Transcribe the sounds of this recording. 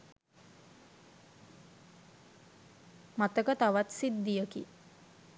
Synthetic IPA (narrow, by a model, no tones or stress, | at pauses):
mat̪əkət̪aʋat̪sid̪ːijəkḭ